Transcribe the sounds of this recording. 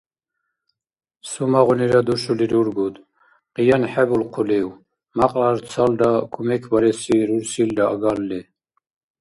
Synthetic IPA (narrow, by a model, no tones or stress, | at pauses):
sumaʁuniɾad̪uʃuliɾuɾɡud̪ | qʼijanħɛbulqʰuliw | maqʼaɾt͡sʰald̪akʰumɛkʰbaɾɛsiɾuɾsild̪aaɡalːɛ